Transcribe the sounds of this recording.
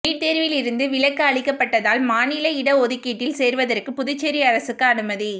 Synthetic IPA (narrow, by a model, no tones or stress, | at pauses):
iːʈt̪eːɾʋɪlɪɾɯnd̪ɯʋɪɭɐkːɐɐɭɪkːɐpːɐʈːɐðaːlmaːnɪlɐɪɽɐɔðɯkːiːʈːɪlseːɾʋɐðɐrkɯpʊðʊt͡ʃːɛɾiɐɾɐsɯkːɯɐnɯmɐði